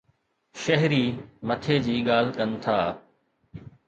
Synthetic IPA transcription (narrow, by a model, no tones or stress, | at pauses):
ʃɐɦɾiːmɐt̪ʰed͡ʑiːɠaːl̤kənɪ̆t̪ʰaː